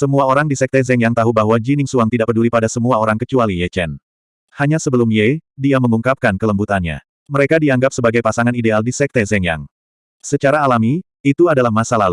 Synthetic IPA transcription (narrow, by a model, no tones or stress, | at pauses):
səmuaoɾaŋdisɛk̚t̪ɛzɛŋjaŋt̪aɦubaɦwad͡ʒinɪŋsuaŋt̪idaʔpədulipadasəmuaoɾaŋkət͡ʃualijɛt͡ʃɛn | haɲasəbəlumjɛdiaməŋuŋkap̚kankələmbut̪anɲa̰ | məɾekadiaŋɡap̚səbaɡajpasaŋanidealdisɛk̚t̪ɛzɛŋja̰ŋ | sət͡ʃaɾaːlami | it̪uadalahmasalalu